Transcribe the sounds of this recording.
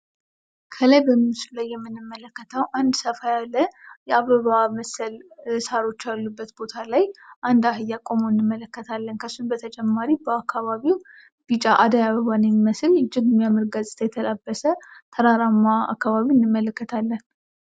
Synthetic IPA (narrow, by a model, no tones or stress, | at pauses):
kʰəlajbəmːisulajːɛmːɨnːɨmːələkːət̪ʰəwʔand̪səfajalːəjɛaβəβaməsəlsaɾo̞t͡ʃːjalːubːət̪bo̞t̪ʰalajʔand̪aɦɨjːakʼo̞moɨnːɨmːələkːət̪ʰalːənkʰəsːunbət̪ʰət͡ʃʼɛmːaɾibəakːaβaβiw | b̥it͡ʃʼaʔad̪ajaβəβanəmiməsɨlɪd͡ʒːɪɡmjamɨɾɡasʼt̪ʰʼajɛt̪ʰəlabːəsət̪ʰəɾaɾamːaa̰kːaβaβiɨnːɨmːələkːət̪ʰalːən